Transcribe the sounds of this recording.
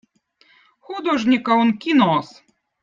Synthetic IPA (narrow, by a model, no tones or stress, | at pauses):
xud̪oʐnʲikɐonkʲinos